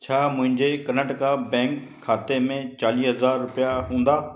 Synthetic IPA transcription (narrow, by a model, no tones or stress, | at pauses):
t͡ɕʰaːmʊ̃ɦɪ̃ɲd͡ʑekɐnəʈkabɛ̃ːŋkʰːaːt̪emẽt͡ɕaːliːɦɐzaːɾːʊpijaɦũːn̆d̪aː